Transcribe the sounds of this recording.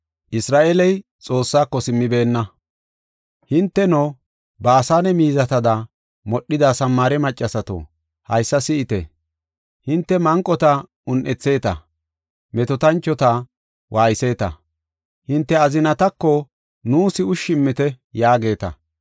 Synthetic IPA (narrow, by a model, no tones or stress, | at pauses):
ʔɪsɾaːʔɛlɛj | t͡sʼo̞ːsːaːkːɔsɪmːɪbe̞ːnːɐ | hɪnt̪ːɛno | baːsaːnɛmiːzɐt̪ɐd̪ɐ | mɔɗːɪd̪asɐmːaːɾɛmɐt͡ʃʼːɐsɐt̪o̰ː | hɐjsːɐsɪʔɪt̪ɛ̰ | hɪnt̪ːɛmɐŋkʼːɔt̪ɐ | ʊnʔɛt͡sːe̞ːt̪ɐ̰ | mɛt̪ɔt̪ɐnt͡ʃːɔt̪ɐ | wʔaːjɪse̞ːt̪ɐ̰ | hɪnt̪ːɛɐzɪnɐt̪ɐkːɔ | nuːsɪʊʃːɪmːɪt̪ɛ | jaːɡe̞ːt̪ɐ̰